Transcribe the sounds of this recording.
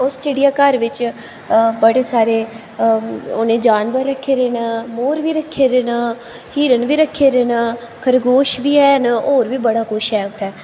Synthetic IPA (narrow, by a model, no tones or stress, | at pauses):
osʈeːɖijaːkəɾʋɪt͡ʃ | bəɽeːsaːɾeː | oːnẽːd͡ʒaːnʋəɾːəkʰːeːɾeːnmoːɾʋiːɾəkʰːeːɾeːn | hiːɾənʋiːɾəkʰːeːɾenːkʰəɾɡoːʃbiːɛːnoːɾʋiːbəɽaːkʊʃɛːʊt̪ʰːɛː